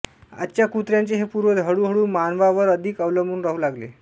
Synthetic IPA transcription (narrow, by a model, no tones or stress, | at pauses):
a̰tːɕjakut̪ɾjant͡seɦepuɾʋəd̪ʱəɽuːɦəɽuːmanʋaʋəɾəd̪ʱiːkəʋləmbuːnɾəɦulaɡlḛ